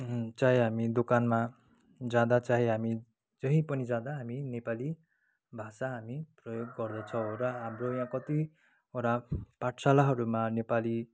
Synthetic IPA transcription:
t͡saɦiɦamid̪okanma | d͡zad̪at͡saɦiɦami | d͡zʌɦĩpʌnid͡zad̪aɦaminepali | bʱasaɦamiprʌjoɡːʌrd̪ʌt͡sʰʌ̃ɾʌɦamrojãkʌt̪i | oɾapaʈʰsalaɦʌɾumanepali

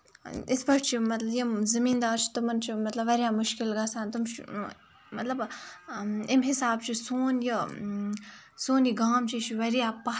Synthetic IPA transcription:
ɪsbɐʈt͡ʃʰimɐt̪lɐjizɐmiːnd̪aːɾt͡ʃʰi̥t̪ɐmɐnt͡ʃʰimɐt̪lɐbʋɐɾjaːmʊʃkɪlɡaːsaːnt̪umt͡ʃḭ | mɐt̪lɐb | ɪmɦɪsaːb̚t͡ʃʰisoːnji | soːniɡaːmt͡ʃʰit͡ʃʰiʋɐɾjaːpɐ

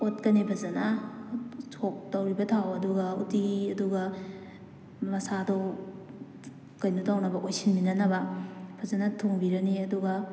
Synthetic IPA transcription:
ot̚kɐnebʰʱɐzɐnɐ | tʰok̚tɐwɾibɐtʰawɐduɡɐutiɐduɡɐ | mɐsado | kɐjnutawnɐbɐʔojsinminɐnɐbɐb̥ʰʱɐzanɐtʰoŋbiɾɐniɐduɡɐ

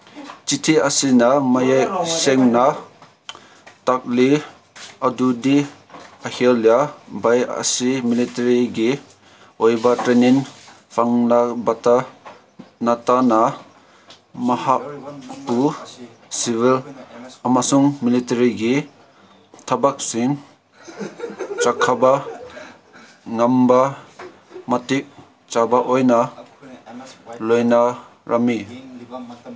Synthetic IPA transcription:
t͡ʃitʰiʔasinamajajsɛŋna | tak̚li | adudi | aheljabaja̰similitaɾiɡi | ɔjbatɾeniŋ | fʰaŋnabata | natana | mɐhapu | siβilamasuŋmilitaɾiɡi | t̪ʰabak̚siŋ | t͡ʃakʰaba | ŋamba | matik̚ | t͡ʃabaʔojna | lojna | ɾʔami

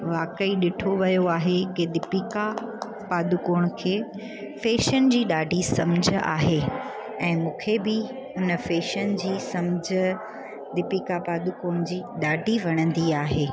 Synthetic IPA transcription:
ʋaːkəiɗɪʈʰoʋɐjoaːɦekɪd̪ɪpiːka | paːd̪ʊkoːɽ̃kʰeː | feːʃənɪd͡ʑiːɗaːɖʱisɐmd͡ʑ̆ʱa̰ːɦeː | ɛ̃ːmũːkʰebɪ | ʊnə̆feːʃənd͡ʑiːsɐmd͡ʑʱə̆ | d̪ɪpiːkapaːd̪ʊkoːɽ̃d͡ʑiːɗaːɖʱiʋɐɽ̃ə̃nd̪iaːɦeː

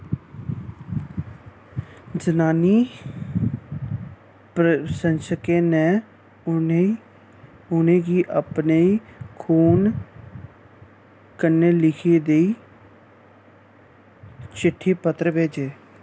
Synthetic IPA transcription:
d͡ʒənaːniː | psənsəkeːneː | e | ʊnẽːɡiːʔəpneiːkʰuːn | kəneːlɪkʰeːd̪eiː | t͡ʃɪʈʰːeːpət̪ɾəbeːd͡ʒeː

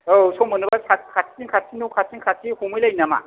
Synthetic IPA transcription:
osɔmɯnɯbasʰat̚kʰatiŋkʰasʰinuwkʰasiŋkʰasʰihumɯjlajinama̰

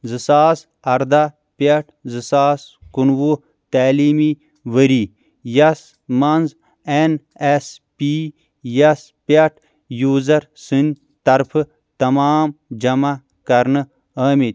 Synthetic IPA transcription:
zɨsaːs | ɐɾd̪a | pʲeʈʰzɨsaːskunʋu | t̪aːliːmi | ʋəɾiː | jɐs | mɐnz | en | espi | jɐs | pɐʈʰ | juːzɐɾsɨnʲ | t̪ɐɾpʰɨ | t̪ɐmaːmd͡ʒɐma | kɐɾnɨ | ɐːmit̪ʲ

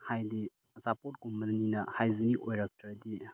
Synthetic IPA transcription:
hajdi | zapot̚ɡummɐninɐhajziniʔojɾak̚tʰɐɾɐdi

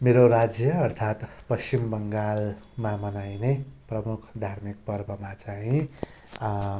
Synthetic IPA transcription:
meɾoɾad͡zjʌːrt̪ʰat̪ | pʌst͡ɕimbʌŋɡal | mamʌnajneprʌmukʰd̪ʱarmik̚pʌrbʱʌmat͡saɦĩ

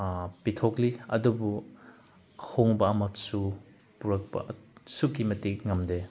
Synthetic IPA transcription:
pitʰokliɐ̰dubu | hoŋbɐɐmɐsu | puɾɐk̚pɐ̰sukimɐtikŋɐmde

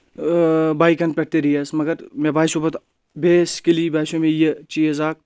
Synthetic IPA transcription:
baːikɐnpʲɛʈt̪eɾiɐsmɐɡəɾmebaːisubɐt̪ | bʱeːskeliːbɛːʃõmẽjet͡ʃiːezaːk̚

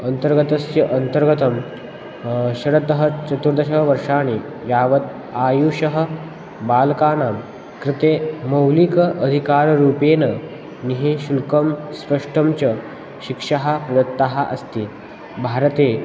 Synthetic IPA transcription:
ənt̪əɾɡət̪ɐsjɐʔənt̪əɾɡət̪əm | ɕɐɽət̪əɦət͡ɕɐt̪uɾd̪əɕəɦʋəɾʂaːniː | jaːʋət̪ | aːjuːɕəɦə | baːlkaːnaːm | kɾɪt̪eːmɐwlikəʔəd̪ʱikaːɾɾuːpeːnə | niɦiɕulkəmspəʂʈʰəmt͡ɕə | ɕikʂaɦapɾɐd̪ət̪ːaɦaʔɐ̰st̪iː | bʱaɾət̪e

